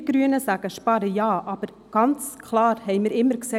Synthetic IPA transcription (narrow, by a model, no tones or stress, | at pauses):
ɡ̥ɾyənəsæɡəʃpɑɾəjɑːʔɑb̥əɾ | ɡ̥ɑnt͡skʰlˠɑːɾhɛɪmɪɾɪmːəɾkse